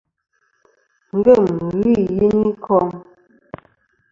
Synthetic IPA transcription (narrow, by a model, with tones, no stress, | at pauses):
ŋ̩˨ɡə˦˨m˨ɣi˦˨ji˦ni˦kʰɔ˦ŋ